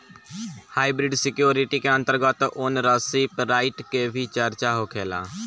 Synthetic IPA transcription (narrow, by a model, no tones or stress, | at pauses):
haːiːbɾɪɖsɪkjoːɾiʈiːkeə̃nt̪əɾɡət̪oːnɾəːsiːpɾaːɪʈkeːbʱiːt͡ʃəɾt͡ʃaːɦoːkʰeːla̰ː